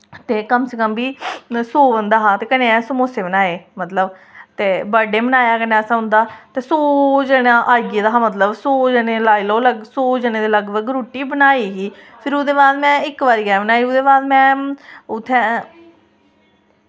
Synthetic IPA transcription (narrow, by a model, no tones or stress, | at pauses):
t̪eːkəmsekəmbiːsoːʋənd̪aːɦãːt̪eːkəneːɛ̃səmoːseːbənaːeːmət̪ləb | t̪eːbəɖeːmənaːjaːkənẽːəsãːɦʊ̃nd̪aːt̪eːsoːd͡ʒəɽãːʔaːɡeːd̪aːɦãːmət̪ləbsoːd͡ʒəɽeːlaːiːloːləɡsoːd͡ʒəneːd̪eːləɡbəɡɾuːʈiːbənaːiːɦiː | pʰɪɾʊd̪eːbaːd̪mɛ̃ːɪkʋaːɾiːɡɛːbənaːiːʊd̪eːbaːd̪mɛ̃ːʊt̪ʰːɛ̃ː